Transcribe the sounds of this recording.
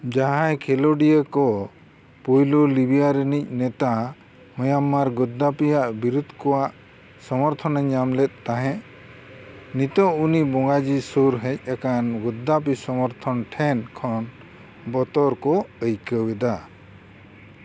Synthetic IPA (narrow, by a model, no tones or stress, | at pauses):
d͡ʒaɦajkʰɛlɔɖijəkɔ | pujlulibijaɾɛnic̚ˀnɛt̪a | mɔjamaɾɡɔd̪ːapijaʔbiɾud̪ʱkɔwaʔ | sɔmɔɾt̪ʰɔnəɲamlɛt̪̚ːaɦɛ̃ʔ | nit̪ɔunibɔŋɡad͡ʒisuɾɦɛc̚akanɡɔd̪ːap̬isɔmɔɾt̪ʰɔnʈʰɛnkʰɔn | bɔt̪ɔɾkɔəjkəwɛd̪a